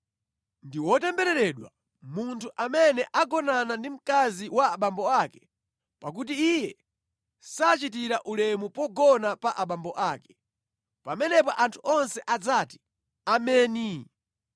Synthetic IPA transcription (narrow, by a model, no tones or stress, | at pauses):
ndiwɔtɛmbɛɾɛɾɛɗwa̰ | muntʰuʔamɛnɛʔaɡɔnanandim̩kaziwaaɓambɔakɛ̥ | pak̬utiːjɛ | sat͡ʃitiɾaʔulɛmupɔɡɔnapaʔaɓambɔʔaːkɛ̥ | pamɛnɛpɔʔantʰu̥ʔɔnsɛʔad͡zati̥ | amɛːni